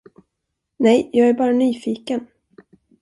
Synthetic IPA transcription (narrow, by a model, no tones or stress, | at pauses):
nɛjjɑːɡæɾbɑːɾanyːfiːkən